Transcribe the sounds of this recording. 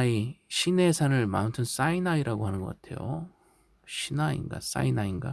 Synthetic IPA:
iɕʰine̞sʰanɯɭma̰ɯntʰɯns͈ainaiɾaɡoɦanɯnɡʌk͈atʰe̞̰jo̰ | ɕʰinaḭnɡa̰s͈a̰inainɡa

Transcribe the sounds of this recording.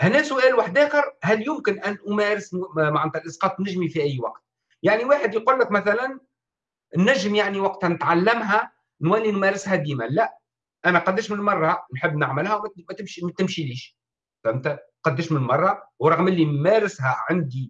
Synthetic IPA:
hnɛːsʊʔæːlwaħd̪æːxəɾhæljʊmkɪnʔænʔʊmɛːɾɪsmaʕnːt̪ælʔɑsqɑːt̪ˤnɪʒmifiʔæjːwɑ̰qt̪̚ | jaʕniwaːħəd̪jquːlːəkmæθælæn | nːæʒːəmjaʕniwɑqt̪nɪt̪ʕalːæmɦæ | nælːinmæɾɪshæd̪iːmælæʔ | ʔænæqɑd̪ːɪɾʃmɪnmɑrˤːɑnħəbːnəʕməlhæwmmæt̪ɪmʃimæt̪ɪmʃiliːʃ | θæmt̪æqɑd̪ːəɾʃmɪnmɑrˤːɑwɾˤɑɣmʔɪlːinmæɾɪsɦæʕand̪i

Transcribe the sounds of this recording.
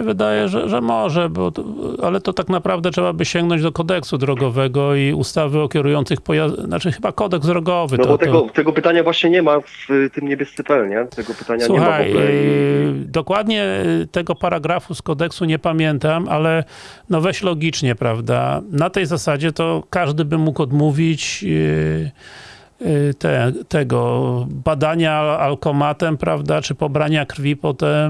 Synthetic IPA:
ɛvɘd̪ajɛʐɛ̰ʐɛmɔʐɛbɔt̪ɔalɛt̪ɔt̪aknapɾavd̪ɛtʂɛbabɘɕɛŋɡnɔɲd͡ʑd̪ɔkɔd̪ɛksud̪ɾɔɡɔvɛɡɔiust̪avɘɔkʲɛɾujɔnsɨxpɔjazna̰t͡ʂɘxɘbakɔd̪ɛɡsd̪ɾɔɡɔvɨt̪nɔbɔt̪ɛɡɔt̪ɛɡɔpɘt̪aɲavwaɕɲɛɲɛmaft̪ɘmɲebʲjɛst̪sɛpɛlɲɛt̪ɛɡɔpɘ̥t̪aɲasɲuɛxmaj | d̪ɔkwad̪ɲɛt̪ɛɡɔpaɾaɡɾafuskɔd̪ɛksuɲɛpamʲjɛnt̪amalɛ | nɔvɛɕlɔɡʲit͡ʂɲɛpɾavd̪a̰nat̪ɛjzasad͡ʑɛt̪ɔkaʐd̪ɘbɘmukɔd̪muvʲit͡ɕ | t̪ɛt̪ɛɡɔbad̪aɲaːlkɔmat̪ɛmpɾa̰vd̪at͡ʂɘpɔbɾaɲakɾfʲipɔt̪ɛm

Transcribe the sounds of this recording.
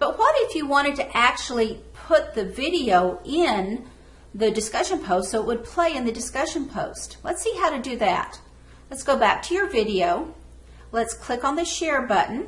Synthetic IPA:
b̥ʌt̚wʌɾɪfjɨwɑ̃ɾ̃ɨd̚tɨʔæk̚t͡ʃul̩ˠipʰʊt̪̚ðɨvɪɾioʊɪ̃n | ðɨdɨskʌʃɨ̃npʰoʊstsoʊəʔ̚wəd̚pʰl̥eɪɨ̃nðɨdɨskʌʃɨ̃npʰoʊstlətsiɦaʊɾɨdɨðæ̰t̚ | lətsɡ̥oʊbæk̚tʰɨjə˞vɪɾioʊ | lətskʰl̥ɪkn̩ðɨʃɛɹbʌʔn̩

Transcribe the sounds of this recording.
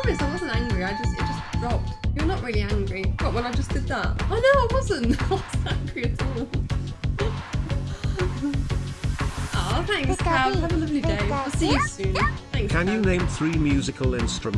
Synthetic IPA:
mɪsaɪwʌzə̃n̩tæ̃ŋɡɹiaɪd͡ʒʌstaɪd͡ʒʌsd̥ɹɑp̚tjə˞nəʔɹɪlˠiæ̃ŋɡɹib̥ʌʔwə̃naɪd͡ʒʌsd̥ɪd̪̚ðət̚oʊnoʊɪt̚wʌzə̃nwæ̃ŋɡɹiɨtʰɔlˠ | ooʊθæ̃ŋksavəlʌvlideɪəsiəsʉ̃nθæ̃ŋkʰə̃njənẽɪ̃mθɹiːmjʉːzɪkʰəlɪ̃nstɹ̥əm

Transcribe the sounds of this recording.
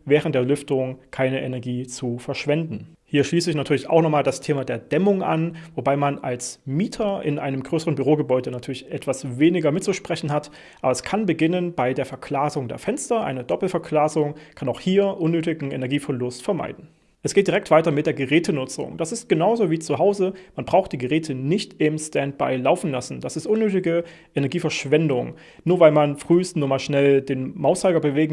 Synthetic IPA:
vɛːʁən̩td̥ːɐlʏftəʊŋkʰaɪnəʔɛnɛɐɡiːt͡sufɛɐʃv̥ɛndn̩ | hiːɐʃliːsəɪçnatʰyːɐlɪça̰ʊxnɔχmaːldastʰeːmadeːɐdɛmʊŋʔa̰nvobaɪmana̰lsmiːtʰɐʔɪ̰nʔa̰ɪnəmɡʁøːsəʁənbyʁoːɡəbɔʏdənatʰyːɐlɪçʔɛtv̥asveːnɪɡɐmɪt̚t͡suʃpʁ̥ɛçn̩ɦat | ʔaːbɐɛskʰanbəɡɪnənbaɪdeːɐfɛɐkʰl̥aːzʊŋdeːɐfɛnstɐʔa̰ɪnədɔpl̩fɛɐkʰl̥aːzʊŋkʰanaʊxhiːɐʔʊnːøːtɪɡŋ̩ɛ̰nɛɐɡiːfɛɐlʊstfɛɐma̰ɪdn̩ | ʔɛsɡ̥eːtd̥iʁɛktv̥aɪtɐmɪt̚d̥eːɐɡəʁɛːtʰənʊt͡sʊ̰ŋd̥asɪst̚ɡ̥ənaʊzoːviːt͡suɦaʊzəmanbʁaʊxt̚d̥iːɡəʁɛːtʰənɪçtɪmstɛnt̚b̥a̰ɪlaʊfn̩lasn̩d̥asɪstʔʊnːøːtɪɡə | ʔɛnɛɐɡiːfɛɐʃv̥ɛndʊŋ | nuːɐvaɪlmanfʁ̥yːstnuːɐmaːlʃnɛldeːnmaʊsaɪɡɐbəveːɡŋ̩

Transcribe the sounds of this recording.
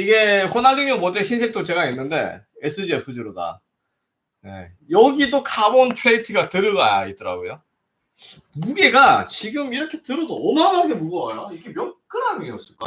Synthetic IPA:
iɡe̞ɸʰonaɡimjʌnmwʌteɕʰinsʰe̞k̚t͈ot͡ɕe̞ɡainːɯnde̞̰es͈ʰɯd͡ʑiepʰɯd͡ʑɯɾoda̰ | nḛ | jʌɡidokʰabontʰweitʰɯɡatɯɾɯɭɡa̰ja̰it̚t͈ʌɾa̰ɡojo | muɡeɡat͡ɕiɡɯmiɾʌkʰe̞tɯɾʌdoːmaɡaɡemuɡʌajaiɡemjʌk͈ɯɾanieʌs͈ɯɭk͈a̰

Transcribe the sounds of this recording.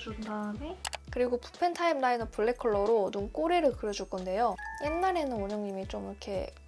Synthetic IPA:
undamekɯɾiɡopu̥pʰe̞ntʰaimnainʌpʰuɭːe̞kʰɯɭːʌɾonunk͈oɾeɾɯɭkɯɾjʌd͡ʑuɭk͈ʌnde̞joje̞nːaɾe̞nɯnoɲoŋɲimit͡ɕomikʰe̞̰

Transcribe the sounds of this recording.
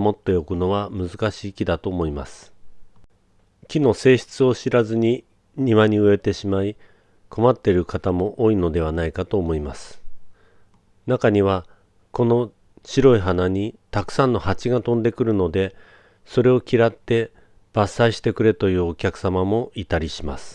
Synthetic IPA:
mo̞t̪ːo̞jo̞kɯ̟no̞βamɯ̟zɨkaɕiːkʲid̪at̪o̞ːmo̞imasɨ̥ | kʲino̞se̞ːɕi̥t͡sɨo̞ɕiɾazɨɲ̟i | ɲ̟iβaɲ̟iɯ̟e̞t̪e̞ɕimai | ko̞mat̪ːe̞ɾɯ̟kat̪amo̞ʔo̞ːino̞d̪e̞β̞anaikat̪o̞ːmo̞imasɨ̥ | nakaɲ̟iβ̞a | ko̞no̞ | ɕiɾo̞iɦanaɲ̟it̪akɯ̟̥sãnːo̞hat͡ɕiɡat̪õ̞nd̪e̞kɯ̟ɾɯ̟no̞d̪e̞ | so̞ɾe̞o̞kʲiɾat̪ːe̞ | b̥asːaiɕi̥t̪e̞kɯ̟ɾe̞t̪o̞jɯ̟ːokʲakɯ̟̥samamo̞it̪aɾʲiɕima̰sɨ̥

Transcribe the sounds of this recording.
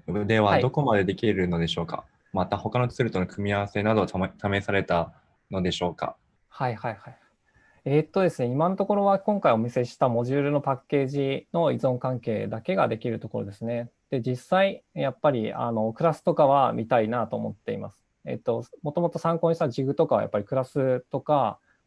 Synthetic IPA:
d̪e̞βad̪o̞ko̞mad̪e̞d̪e̞kʲiɾɯ̟no̞d̪e̞ɕo̞ːka̰ | mat̪aho̞kano̞t͡st͡sɨɾɯ̟t̪onokɯ̟mʲiaβase̞nad̪o̞t̪t̪ame̞saɾe̞t̪a | no̞d̪e̞ɕo̞ːka̰ | haihaihai | eːt̪ːo̞d̪e̞sɨne̞imãnt̪o̞ko̞ɾo̞βakõ̞ŋkaio̞mʲise̞ɕi̥t̪amo̞ʑɨːɾɯ̟no̞pakːe̞ːʑino̞izõ̞ŋkãŋke̞ːd̪ake̞ɡa̰d̪e̞kʲiɾɯ̟t̪o̞ko̞ɾo̞̰d̪e̞sɨne̞ | d̪̥e̞d͡ʑisːaijapːaɾʲia̰no̞kɯ̟ɾasɨ̥t̪o̞kaβ̞amʲʔit̪ainat̪o̞ːmo̞̰t̪ːe̞ḭma̰sɨ̥ | e̞̰t̪ːo̞mo̞t̪o̞mo̞t̪o̞sãŋkõɕi̥t̪aʑiɡɯ̟t̪o̞kaβa̰ja̰pːaɾʲikɯ̟ɾasɨt̪o̞ka

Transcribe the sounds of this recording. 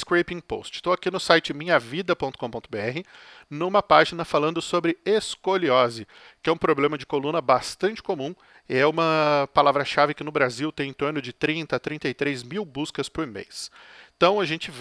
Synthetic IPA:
skɾejpĩpo̰st͡ʃɪ̥st̪oakinʊsajt͡ʃɪmĩɲɐvid̪ɐpõt̪ʊ̥kõpõt̪ʊbeɛhɪnũmɐpaʒinɐfalɐ̃nd̪ʊsobɾɪeskoliɔzɪ | kɪɛũpɾoblẽmɐd͡ʒɪkolũnɐbast̪ɐ̃nt͡ʃɪ̥komũ | ɛũmɐpalavɾɐʃavɪkɪnʊbɾaziwt̪ẽj̃ẽt̪oɾnʊd͡ʒɪt̪ɾĩnt̪ɐat̪ɾĩnt̪ɐjt̪ɾejzmiwbuskɐspʊɾmḛst̪ɐ̃w̃ɐʒẽnt͡ʃɪv

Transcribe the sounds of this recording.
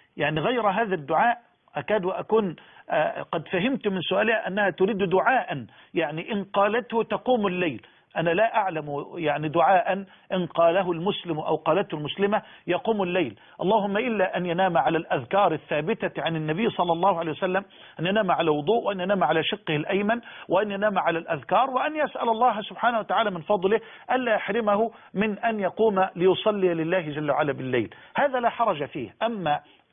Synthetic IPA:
jaʕniɣajɾɦaːðad̪ːʊʕaːʔ | ʔakaːd̪wʔakuːn | qɑd̪faɦɪmt̪mɪnsʊʔaːlɪhaʔanːahaːt̪ʊɾiːd̪d̪ʊʕaːʔan | jaʕniʔɪnqɑːlat̪hʊt̪ɑquːmʊlːajl | ʔanalaːʔaʕlamjaʕnid̪ʊʕaːʔan | ʔɪnqɑːlaɦʊlmʊslɪmʔa̰wqɑːlat̪hʊlmʊslɪmajɑquːmʊlːajl | ʔɑ̰lˤːɑːhʊmːaʔɪlːaʔanjanaːmʕalalʔaðkɑːɾˤɪθːaːbɪt̪aʕanɪnːabɪjːsˤɑlːɑlˤːɑːhʊʕalejwasalːam | ʔanjanaːmaʕalaːwʊd̪ˤuːʔwɪʔanjanaːmʕalaːʃɪqːɪhɪlʔajmanwɪʔanjanaːmaʕalalʔaðkɑːɾˤwɪʔanjasʔalɑlˤːɑːɦasʊb̥ħaːnahwat̪aʕaːlaːmɪnfɑd̪ˤlɪh | ʔanlaːjaħɾɪmahʊ | mɪnʔanjɑquːmalɪjʊsˤɑlːijalɪlːaːhɪd͡ʒalːawa̰ʕalaːbɪlːajlhaːðalaħɑɾˤɑd͡ʒafiːhʔamːa

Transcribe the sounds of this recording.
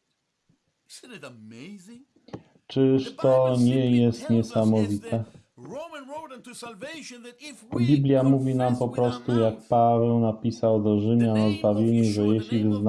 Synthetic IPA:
t͡ʂɘʂt̪ɔɲɛjɛst̪ɲɛsamɔvʲit̪ʰɛ | bʲiblʲjamuvʲinampɔpɾɔst̪ujak̚pavɛwnapʲisawd̪ɔʐɘmʲjanɔzbavʲjeɲuʐɛjɛɕlʲivɘzn

